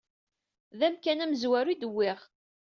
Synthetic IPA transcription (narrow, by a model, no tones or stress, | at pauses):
ðæmkænæməzwæɾid̪əwːɪʁ